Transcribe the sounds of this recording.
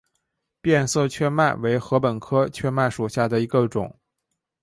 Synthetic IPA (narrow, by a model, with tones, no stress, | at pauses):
pjɛ˥˧nsɤ˥˧˩t͡ɕʰɥɛ˥ma˥˩ɪwe˧˥ɪxɤ˧˥pə˨˩nkʰɤ˥t͡ɕʰɥɛ˥ma˥˩ɪʂu˨˩ɕja˥˩d̪ə˩i˧˥ɡə˧ʈ͡ʂʊ̰˨˩˦ŋ